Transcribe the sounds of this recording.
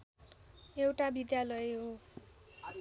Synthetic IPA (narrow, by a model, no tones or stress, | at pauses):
ewʈabid̪jalʌeɦo